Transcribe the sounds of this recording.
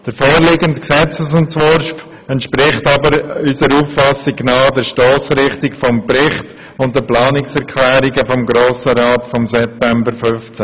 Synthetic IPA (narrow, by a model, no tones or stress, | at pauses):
d̥əɾfoːɾlɪɡəntksɛt͡səsʊntt͡sʋɔːɾ | ɛntʃpɾɪχtɑbəɾysəɾuːfːɑsinaːdɛɾʃtoːsɾɪχtɪkfɔmpɾɪχt | ʊnt̚dəplɑːnɪksɛɾʁkʰlɛːɾiɡəfɔmɡɾoːsəɾaːtfɔmsɛp̚tɛmbəɾfʏft͡sæ